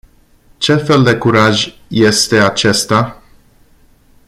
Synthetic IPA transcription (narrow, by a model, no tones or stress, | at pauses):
t͡ʃe̞fe̞ld̪e̞kuɾaʒʲ | je̞st̪e̞at͡ʃe̞st̪a